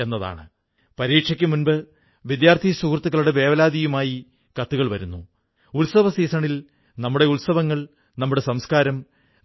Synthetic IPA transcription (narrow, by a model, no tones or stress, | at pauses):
e̞nːɐða̰ːɳɨ | pɐɾiːʈʂɐkʲːɨmunbɨ | ʋid̪jaːrt̪ʰisuːkrt̪ːuɣːɐɭuɽe̞ʋe̞ːʋɐlaːd̪ijumaːji | kɐt̪ːuɣɐɭʋɐɾunːu | ulsɐʋɐsiːsɐɳil | nɐmːuɽe̞ulsɐʋɐŋːɐɭ | nɐmːuɽe̞sɐmskaːɾɐm